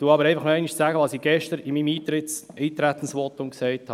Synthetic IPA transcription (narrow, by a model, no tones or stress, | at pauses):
tuːɑbəɾɛɪfɑχmɛɪniʃt͡sæɡəʋɑsiːɡ̥ɛʃtəɾimimiːt̪ɾɪt | iːt̪ɾæt̪ən̩sʋɔt̪ʊmksɛɪthɑ